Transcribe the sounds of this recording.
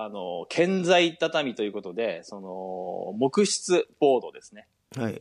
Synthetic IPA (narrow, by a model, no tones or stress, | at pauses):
anokʰẽ̞nd͡zait̪at̪amʲit̪ojɯ̟ko̞t̪o̞d̪e̞so̞no̞mo̞kɯ̟ɕi̥t͡sɨb̥o̞ːd̪o̞d̪e̞sɨne̞ | ha